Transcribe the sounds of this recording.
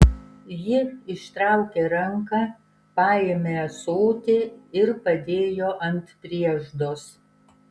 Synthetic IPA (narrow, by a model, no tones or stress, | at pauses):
jɪɪʃt̪ɾɐˑʊkʲeɾɐŋkɑː | pɑːjemʲesoːt̪ʲɪɪɾpɐd̪ʲeːjoːʔɐnʲt̪pʲɾʲiɛʒd̪oːs